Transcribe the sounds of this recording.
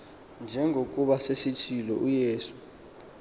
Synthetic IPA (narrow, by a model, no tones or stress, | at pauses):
nd͡ʒʱɛŋɡʱokʼuɓasesit͡ʃʰilɔujeːsu̥